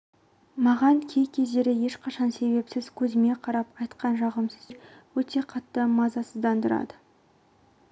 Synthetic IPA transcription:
mɑʁɑŋkʲʰe̞jkʲʰe̞zd̪e̞ɾɪje̞ʃqʰɑʃɑnse̞be̞psɪz̥kʲʰɵzɪme̞qʰɑɾɑpɑjt̪qɑnʒɑʁəmsə̥zwɵt̪e̞qʰɑt̪ːəmɑzɑsəzd̪ɑnd̪əɾɑ̰d̪ə

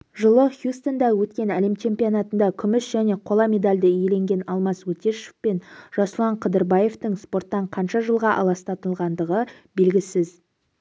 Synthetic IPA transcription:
ʒəlˠəχjust̪o̞nd̪ɑwɵt̪kʲe̞næle̞mt͡ʃʰe̞mpijonɑt̪ənd̪ɑkʲʰʏmɪsʒæne̞qʰo̞lˠɑmʲe̞d̪alʲd̪əje̞le̞ŋɡʲe̞nɑlˠmɑswɵt̪e̞ʃe̥fpe̞nʒ̥ɑslˠɑɴqʰəd̪əɾbɑje̞ft̪əŋspo̞rt̪ːɑɴqʰɑnʃɑʒəlˠʁɑʔɑ̰lˠɑst̪ɑt̪əlˠʁɑnd̪əʁə | be̞lɡʲɪsɪz

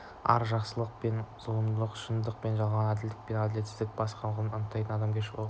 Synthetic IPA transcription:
ɑ̰ɾʒɑqsəlˠəq̚pe̞nz̥oɾəmd̪əlˠəqʃənd̪əq̚pe̞nʒɑlˠʁɑnæd̪ɪld̪ɪk̚pe̞næd̪ɪle̞t̪sɪzd̪ɪk̚bɑsqɑnʁəlˠənʊnət̪ːɑjt̪ənɑd̪ɑmkʲʰeʃwo

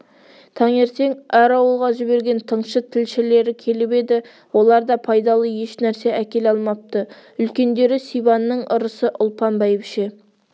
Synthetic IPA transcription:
t̪ʰɑŋe̞ɾt̪e̞ŋæɾɑwəlˠʁɑʒɪbe̞ɾɡʲe̞nt̪ʰəɴʃət̪ʰɪlʃɪle̞ɾɪkʲʰe̞lɪpe̞d̪ɪ | wo̞lˠɑɾd̪ɑpʰɑjd̪ɑlˠəje̞ʃnæɾse̞ʔækʲe̞lɑlˠmɑp̚t̪əʏlkʲe̞nd̪e̞ɾɪsijbɑnːəɴʔʊɾəsəʔʊlˠpɑnbɑjɪpʃe

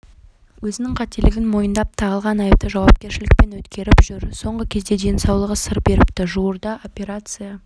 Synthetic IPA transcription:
wɵzɪnɪŋqʰɑt̪elɪɡʲɪnmo̞jənd̪ɑp̚t̪ʰɑʁəlˠʁɑnɑjəp̚t̪əʒɑwɑp̚kʲe̞ɾʃɪlɪk̚pe̞nwɵt̪kʲe̞ɾɪpʒ̥ʏɾso̞ɴʁəkʲʰe̞zd̪e̞d̪e̞nsɑwlˠəʁəsəɾbe̞ɾɪpt̪ɪʒuwəɾd̪ɑʔo̞pʲe̞ɾat̪sɨja

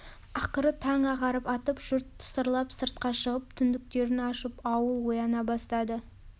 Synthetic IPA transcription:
ɑqəɾət̪ʰɑŋɑʁɑɾəpɑt̪əpʒ̥ʊɾt̪ʰːʊ̥səɾlˠɑpsəɾt̪̚qɑʃəʁəp̚t̪ʰʏnd̪ɪk̚t̪e̞ɾɪnɑʃəpɑwəlˠwo̞jɑnɑbɑst̪ɑd̪ə

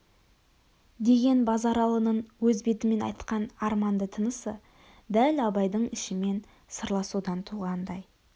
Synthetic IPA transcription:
d̪e̞ɡʲe̞nbɑzɑɾɑlˠənəɴwɵzbe̞t̪ɪme̞nɑ̰jt̪qɑnɑɾmɑnd̪ət̪ʰənəsə | d̪ælɑbɑjd̪əɴɪʃɪme̞n | səɾlˠɑsud̪ɑnt̪ʰuʁɑnd̪ɑj

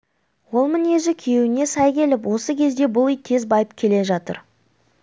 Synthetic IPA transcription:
wo̞lˠmɪne̞ʒɪkʲʰewɪne̞sɑjkʲe̞lɪp̬wʔo̞səkʲʰe̞zd̪e̞bʊlˠijt̪ʰe̞zbɑjəpkʲʰe̞le̞ʒɑt̪ə̰ɾ

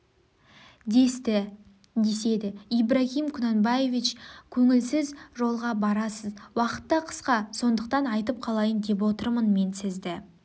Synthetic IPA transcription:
d̪e̞st̪ɪ | d̪e̞se̞d̪ɪijbɾahimkʲʰʊnanbaje̞vit͡ʃkʲʰɵŋɪlsɪzʒo̞lˠʁɑbɑɾɑsəzwɑqə̥t̪ːɑqʰə̥sqɑso̞nd̪əq̚t̪ɑnɑjt̪əp̚qʰɑlˠɑjənd̪e̞p̬wo̞t̪əɾmənme̞nsɪzd̪ɪ

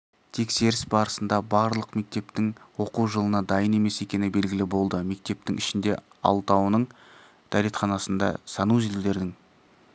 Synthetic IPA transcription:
t̪ʰe̞kse̞ɾɪsbɑɾəsənd̪ɑbɑɾlˠəqme̞k̚t̪e̞pt̪ɪŋwo̞quʒəlˠənɑd̪ɑjəne̞me̞se̞kʲe̞nɪbe̞lɡʲɪlɪbo̞lˠd̪əme̞k̚t̪e̞p̚t̪ɪŋʔɪʃɪnd̪e̞̰ | ɑ̰lˠt̪ɑwnəɴ | d̪̥ʰæɾet̪χɑnɑsənd̪ɑ̰sɑnuzelud̪e̞ɾd̪ɪŋ

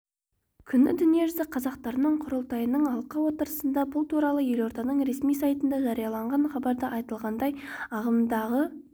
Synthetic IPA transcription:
kʲʰʏnɪ̰d̪ʏnije̞ʒʏzɪqʰɑzɑqt̪ɑɾənəɴqʰʊɾəlˠt̪ɑjənəɴɑlˠqɑwo̞t̪əɾəsənd̪ɑbʊlˠt̪ʰuɾɑlˠəje̞lo̞ɾt̪ɑnəɴɾe̞smijsɑjt̪ənd̪ɑʒɑɾijɑlˠɑɴʁɑɴχɑbɑɾd̪əʔɑjt̪əlˠʁɑnd̪ɑjɑʁəmd̪ɑʁə

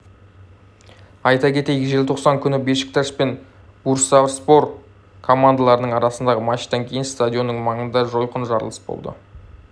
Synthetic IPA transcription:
ɑjt̪ɑkʲʰe̞t̪e̞jɡʲɪʒe̞lʲt̪ʰo̞qsɑŋkʲʰʏnɪbe̞ʃɪ̥k̚t̪ʰɑʃpe̞n | buɾsavɾspo̞ɾ | kʰo̞mand̪alˠɑɾənəɴɑɾɑsənd̪ɑʁəmɑʃt̪ɑŋkʲʰe̞jɪnst̪ad̪ʲjo̞nːəɴmɑɴənd̪ɑʒo̞jqənʒɑɾlˠə̥sbo̞̰lˠd̪ə̰

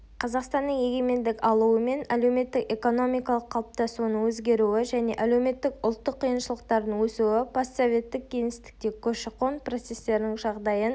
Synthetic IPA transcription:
qʰɑzɑqst̪ɑnːəŋje̞ɡʲe̞me̞nd̪ɪkɑlˠuəme̞næle̞wme̞t̪ːɪke̞ko̞no̞mijkɑlˠəqʰːɑlˠəp̚t̪ɑsunəŋwɵzɡʲe̞ɾuɪʒæne̞̰ʔælewme̞t̪ːɪkʊlˠt̪ːəqʰːijənʃəlˠəq̚t̪ɑɾd̪əŋwɵsuɪpʰoso̞vʲe̞t̪ːɪk̚ʲʰːe̞jŋɪst̪ɪ̥k̚t̪e̞kʲʰɵʃɪqonpro̞t̪se̞st̪e̞ɾɪnɪŋʒɑʁd̪ɑjən

